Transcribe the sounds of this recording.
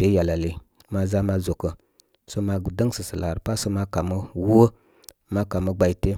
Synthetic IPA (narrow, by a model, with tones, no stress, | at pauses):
be˨˦ja˨la˨li˨ | ma˨za˦ma˦zo˨kə˨ | so˦ma˧˨də˦ŋsə˨sə˨la˨ɾpa˦so˦ma˦ka˨mə˦wu˦ə˦ | ma˦ka˨mə˦ɡ͡ba˨i˦te˦